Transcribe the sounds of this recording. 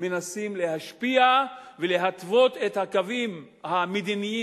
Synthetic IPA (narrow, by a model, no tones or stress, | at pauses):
menasimle̞haʃpiavele̞ɦat̪vo̞t̪et̪hakavim | hamed̪iniji